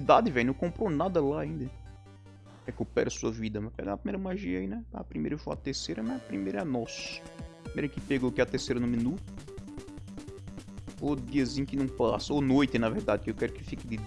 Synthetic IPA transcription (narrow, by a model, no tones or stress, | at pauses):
d̪ad̪ɪvɛ̃jnɐ̃w̃kõmpɾonad̪ɐlaːĩnd̪ɐ | ɛkepɛ̰ɾɐsuɐvid̪ɐmɐpɛ̰ɡaɐpɾimeɾɐmaʒiɐinɛa̰pɾimejɾɐewfoat̪eɾsejɾɐmaapɾimejɾɐɛnɔsʊ̥pɾimḛjɾɐkɪpeɡakiɐt̪eɾsejɾɐnʊmĩnut̪ʊ | od̪iɐzĩɲʊkɪnɐ̃w̃pasɐonojt̪ɪnɐveɾd̪ad̪ɪkɪewkɛɾʊkɪfikɪd̪ɪ